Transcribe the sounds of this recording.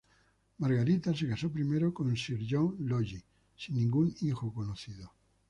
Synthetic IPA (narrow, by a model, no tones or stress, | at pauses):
maɾɣaɾit̪as̬e̞kasopɾimeɾokonsiɾʎoŋloʎi | sinːĩŋɡunixokonoθiðo